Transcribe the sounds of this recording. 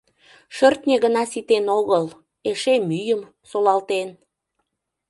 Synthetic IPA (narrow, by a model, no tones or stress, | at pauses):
ʃørt̪nʲeɣənɑsit̪enoɣəl | eʃemyjəm | solɑlt̪en